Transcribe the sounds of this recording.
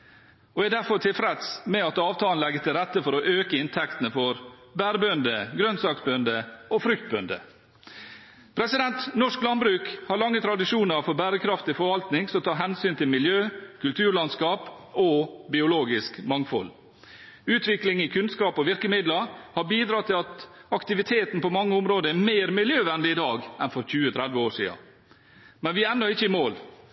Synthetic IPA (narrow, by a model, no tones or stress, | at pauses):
oːæd̪æɾfɔɾt̪ʰɪlfɾɛt̪smɛɑt̪ɑːʋt̪ʰɑːln̩lɛɡːət̪ʰɪlɾɛt̪ːəfɔɾɔʔøːkəɪnt̪ʰɛkt̪ənəfɔɾ | bæːɾəbœnd̪əɡɾœnsɑːksbœnd̪əofɾʏkt̪̚bœnd̪ə̰ | pʰɾɛsɪd̪ɛnt̪nɔʂklɑnbɾʉːkhɑɾɭɑŋːət̪ʰɾɑd̪ɪʂuːnəɾfɔɾbæːɾəkʰɾɑft̪ɪfɔɾʋɑlt̪nɪŋsɔt̪ʰɑːɦɛnsyːnt̪ʰɪlmɪljøːkʰʉlt̪ʰʉːɾɭɑnskɑːp | ɔbɪʊloːɡɪskmɑŋfɔ̰l | ʉːt̪ʰʋɪklɪŋɪkʰʉnskɑːpɔʋɪɾkəmɪd̪ləhɑɾbiːd̪ɾɑːt̪ʰɪlɑt̪ɑkt̪ɪʋɪt̪ʰeːt̪n̩pɔmɑŋːəʊmɾoːd̪əæɾmeːɾmɪljøːʋɛnd̪ɪɪd̪ɑːɡɛnfɔɾçʉːət̪ʰɾɛd̪ʋəoːʂḭːɑ̰ | mɛnʋɪænːɔɪçːəɪmoːl